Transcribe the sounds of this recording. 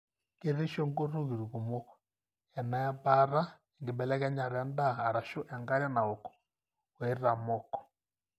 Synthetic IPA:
ke˦ɾe˦ʃo˦ŋɡo˦ɾo˦ɣi˨ɾu˨ɣo˨mɔ˦kɔ̥˨ | ɛ˨na˨a˦ba˦ɾa˦ | e˨ŋɡe˨bɛ˨lɛ˦ɣɛ˦ɲa˨ɾɛ˦ndaː˦˨ɾa˨ʃo˦ʔɛ˨ŋɡa˦ɾa˦na˨o˨kɔ̥˨ | we˨˦ɾa˨mɔ˦kɔ̥˨

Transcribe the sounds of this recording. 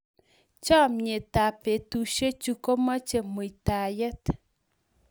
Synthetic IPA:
t͡ʃɔ˦˨mɲe˨ta˨pe˨tu˨ʃe˦t͡ʃu˦ko˦mə˦t͡ʃe˨mu˨i˨ta˨jə˦t

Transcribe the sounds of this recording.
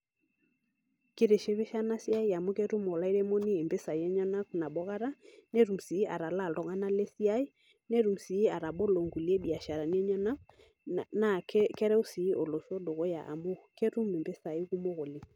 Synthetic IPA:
ke˦ɾe˨ʃe˦βe˦ʃa˦na˦si˦a˦i˦ja˨mo˦ke˦ɾu˦mɔ˨la˦i˦ɾe˦mo˦ni˦e˨mbe˦sa˨jɛ˦ɲɔ˦na˦kna˨ɓɔ˦ɣa˦ɾa˦nɛ˦ɾu˨msi˨˦ʔa˨ɾa˨la˦˨ldɔ˨ŋa˦na˦le˦si˦a˦i˦ | nɛ˦ɾu˨msiː˨˦a˨ɾa˨bɔ˦lo˨ŋɡu˨li˦e˦bi˨a˨ʃa˨ɾa˨ni˦ɛ˦ɲɔ˦na˦k̚ | na˨kkɛ˦ɾɛ˦o˦si˨˦ʔo˨lo˨ʃɔ˦do˨ɣɔ˦ja̰˨ʔa̰˨mo˦ke˦ɾu˦me˨mbe˦sa˨i˦ku˦mo˦ɣo˨li˨

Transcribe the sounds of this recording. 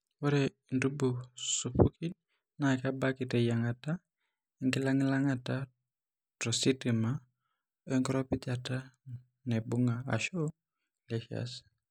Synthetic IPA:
wɔ˦ɾɛ˨ | ndu˦bu˨su˨pʰu˦kʰi˦l | na˨ka˦ba˦ki˨te˨ja˨ŋa˨ta˦ | ŋɡi˦la˦ŋ˦la˦ŋa˨ta˦ | tɾo˨si˦ti˨ma˦ | e˦ŋɡɾɔ˦pi˦d͡ʒa˨ta˦ | nɛ˨bu˦ŋa˨a̰˨ʃo˦ | lɛ˦ʃa̰˨s

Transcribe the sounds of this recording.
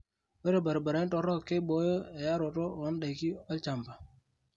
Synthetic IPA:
we˦ɾe˨ba˨ɾba˨ɾa˨˦n˦to˨˦ɾɔ˦kːe˦bo˨˦jo˦e˨ja˦ɾo˨to˦˨wɔ˦nɗa˨jki˦ɔ˦lt͡ʃa˨mpa˨

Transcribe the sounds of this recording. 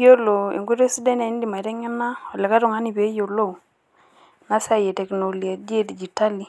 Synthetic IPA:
jo˦lo˨ḛ˨ŋɡu˦ɾe˦si˦dɛ˦na˨˦n˦di˨ma˨i˨tɛ˦ŋɛ˦na˦ɔ˨lɛ˨ka˦tʊ˦˨ŋa˦ni˨pe˨˦jo˨lo˦˨ | na˦sa˦˨jɛ˨tɛ˨kno˨lja˨de˦di˨d͡ʒi˨ta˦li˨

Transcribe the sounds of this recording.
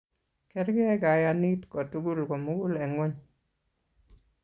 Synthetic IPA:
kɛ˦ɾɡɛ˦ɡa˨ja˨ni˦tkɔ˨tu˦ɡu˦lko˨mu˦ɡu˦lɛ˨ŋwɔ˦ɲ

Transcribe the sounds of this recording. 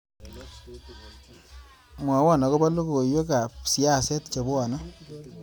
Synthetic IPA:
mwa˨˦wa˦˨nɔ˨ko˦ba˦lu˦ko˨jwe˦ka˨psi˦a˦se˦tt͡ʃo˨ba˨na˦

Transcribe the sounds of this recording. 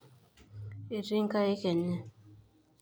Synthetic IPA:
e˨ɾi˦ŋ̩˦ka˦e˦kɛ˨nɛ˦˨

